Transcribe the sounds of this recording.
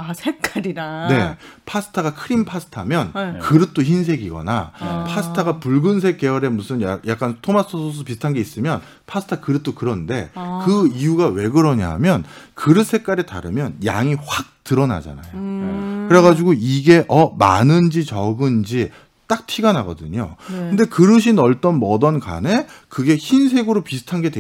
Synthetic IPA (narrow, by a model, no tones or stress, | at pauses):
asʰekk͈aɾiɾane̞pʰasʰɯ̥tʰaɣakʰɯɾinpʰasʰɯ̥tʰamjʌnkɯɾɯt̚t͈oçinsʰe̞ɡiɡʌ̰na̰pʰasʰɯ̥tʰaɡapuɭɡɯns̬ʰe̞k͈e̞ʌɾe̞musʰɯnjajak͈̚antʰomasʰosʰosʰʌpisʰtʰanɡe̞is͈ɯmjʌn | pʰasʰɯ̥tʰakɯɾɯt͈̚okɯɾʌnde̞kɯijuɡawe̞ɡɯɾʌɲiɦa̰mjʌnkɯɾɯs͈ʰe̞k͈aɾita̰ɾɯmjʌnja̰ŋiɸwak̚tɯɾʌna̰d͡ʑa̰na̰jokɯɾe̞ɣad͡ʑiɡoiɡe̞ʔʌmanɯnd͡ʑit͡ɕʌɡɯnd͡ʑi | t͈ak̚tʰiɡanaɡʌdɯɲo̰kɯnde̞kɯɾɯɕʰinʌɭt͈ʌnmʌdʌnka̰ne̞kɯɡe̞çinsʰe̞ɡɯɾopisʰɯ̥tʰanɡe̞dwe